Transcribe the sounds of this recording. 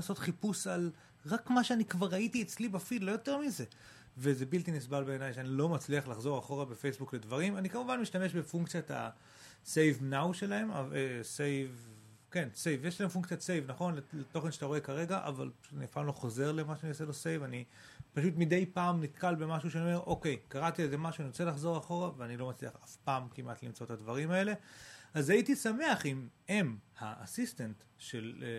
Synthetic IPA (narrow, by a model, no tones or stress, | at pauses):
aso̞t̪χipusal | ʁakmaʃeanikvaʁaitiet͡slibafidlo̞jo̞te̞ʁmize̞ | vezebilt̪inisbalbe̞ːnajʃeanilo̞mat͡sliaχlaχzo̞ʁaχo̞ʁabe̞fejsbukle̞dvaʁimanikamuvanmiʃtame̞ʃbe̞fuŋk̚t͡sjat̪a̰ | sejvnawʃelae̞ma̰esejv | ke̞nse̞jvjeʃlahemfuŋkt͡sjase̞jvnaχo̞nleleto̞χenʃe̥t̪aʁoe̞kaʁe̞ɡaʔa̰va̰lpautaniafaːmlo̞χo̞ze̞ʁlemaʃanioselo̞sejvani | paʃ̬utmid̪e̞jpaːmnit̪kalbe̞maʃuʃeaniome̞ʔo̞ke̞jkaʁat̪iezemaʃuaniot͡selaχzo̞ʁaχo̞ʁaveanilo̞mat͡sliaχafpaːmkimʔat̪limt͡so̞etadvaʁ̞imae̞le̞azaitisame̞aχimemha̰a̰sist̪ant | ʃele